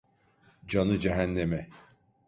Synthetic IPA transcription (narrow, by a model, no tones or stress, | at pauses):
d͡ʒanɯd͡ʒɛɦænːemɛ